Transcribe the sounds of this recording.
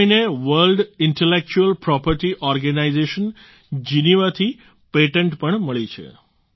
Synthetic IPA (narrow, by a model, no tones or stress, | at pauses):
ineʋəɾlɖɪɳʈelek̚t͡ʃuəlpɾɔpəɾʈiʔɔɾɡənaizeʃən | d͡ʒiniʋat̪ʰi | peʈəɳʈpəɳməɭit͡ʃʰḛ